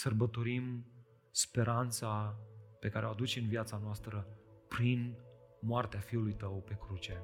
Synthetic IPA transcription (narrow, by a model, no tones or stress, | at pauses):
sərbət̪o̞ɾim | spe̞ɾant̪sape̞kaɾeoad̪ut͡ʃe̞ɨnvjat̪sanoast̪ɾəpɾinmoart̪eafiulujt̪əwpe̞kɾut͡ʃe̞